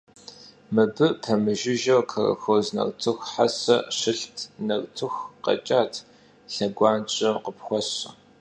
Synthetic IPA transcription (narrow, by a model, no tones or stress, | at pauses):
mɨbɨpʰɐmɨʒɪʒɐwkʰɐrɐ̰xoːznɐ̰rtʰɨxħasɐ̰ʂɪɬtʰnɐrʼtʰɨxqɐ̰t͡ʃʼaːtʰ | ɬɐɡʷɑːnt͡ʃʼɐmqəpxʷɔɕɐ